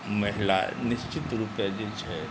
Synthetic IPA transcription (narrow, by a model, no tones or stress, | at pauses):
mɐɦla̰nɪst͡ʃit̪ɾupjad͡ʒet͡ʃʰɛ